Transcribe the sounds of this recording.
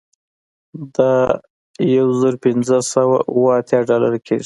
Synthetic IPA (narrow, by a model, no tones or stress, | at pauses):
d̪ɑ | jawzəɾpɪnzəsawa̰ʔuwəat̪jɑɖɑlaɾakʰeʐi